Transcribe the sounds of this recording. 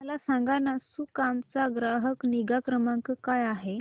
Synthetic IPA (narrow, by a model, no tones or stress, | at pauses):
mlasãŋɡanasukamt͡saɡɾaɦəkniɡakɾəmãŋkkajaɦe